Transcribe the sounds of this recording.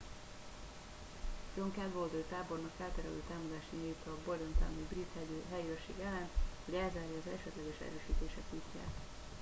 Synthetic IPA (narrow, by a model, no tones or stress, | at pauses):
d͡ʒoŋkɛlɡold̪oːt̪aːbo̞rnɒkfɛlt̪ɛɾɛlø̰ːt̪aːmɒd̪aːʃinejut̪ɒːboɾont̪a̰ːnibrit̪hɛjøɦɛjøʃḛːɡɛlːɛnt̪hoɟɛlzaːɾjiɒzɛ̰ʃɛt̪lɛɡɛʃɛ̰ɾøːʃiːt̪eːʃɛkut̪ʲja̰ːt̪